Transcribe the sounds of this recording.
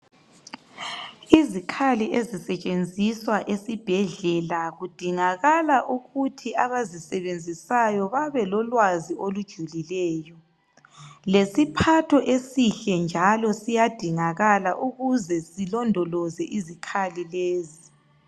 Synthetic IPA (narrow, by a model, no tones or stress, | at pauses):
izikʰaliʔezisɛt͡ʃʼend͡zʱiswaʔesib̥ʱɛɮɛlaɣud̥ʱiŋaɣalaʔuɣutʰiaβazisɛβend͡zʱisajɔβaβɛlɔlwaziolud̥ʒ̥ʱulilɛːjɔ | lesipʰatʰɔʔesiɬɛnd͡ʒʱalɔsijad̥ʱiŋaɣalaʔuɣuzɛsilɔndʱɔlɔzɛʔizikʰalileːzi